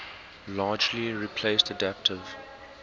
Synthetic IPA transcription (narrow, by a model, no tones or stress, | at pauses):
lɑːd͡ʒliɹipʰleɪstədæp̚tʰɪv̥